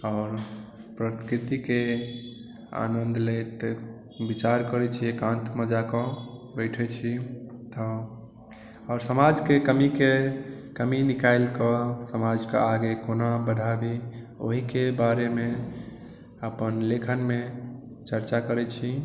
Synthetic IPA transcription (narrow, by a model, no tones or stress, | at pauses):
ɔʊɾpɾət̪kɾit̪ike | a̰nənd̪let̪ | bit͡ʃaɾkəɾɛt͡ʃʰiekãnt̪məd͡ʒakɔbəɪʈʰɛt͡ʃʰit̪ɔ | ɔɾsəmad͡ʒkekəmikekəminikajlkɔsəmad͡ʒkḛaɡekonabəɽʱabi | o̰ɦikebaɾeme | əpənlekʰənme | t͡ʃəɾt͡ʃakəɾɛt͡ʃʰi